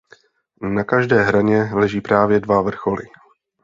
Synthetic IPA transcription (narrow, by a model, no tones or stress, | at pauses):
nakaʒdɛːɦɾaɲɛlɛʒiːpɾaːvjɛdvavr̩xo̞lɪ